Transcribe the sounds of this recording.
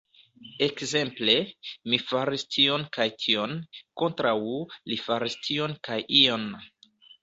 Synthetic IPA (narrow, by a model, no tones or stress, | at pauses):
e̞kze̞mple̞mifaɾistʰio̞nkajtʰio̞nko̞ntɾawulifaɾistʰio̞nkajʔio̞n